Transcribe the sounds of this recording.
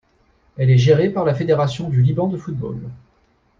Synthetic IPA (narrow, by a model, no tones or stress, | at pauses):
ɛlɛʒeʁepaʁlafed̪eʁasjɔ̃d̪ylibɑ̃d̪əfut̪̚bo̰l